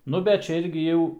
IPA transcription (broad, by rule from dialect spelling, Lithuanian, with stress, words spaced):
ˈnʊ bʲɛt ˈt͡ʃʲɛ ˈɪrʲɡʲɪ jɛʊ